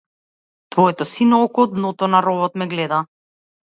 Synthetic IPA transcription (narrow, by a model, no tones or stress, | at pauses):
t̪vɔɛt̪ɔsinɔɔkɔd̪nɔt̪ɔnaɾɔbɔt̪mɛɡlɛd̪a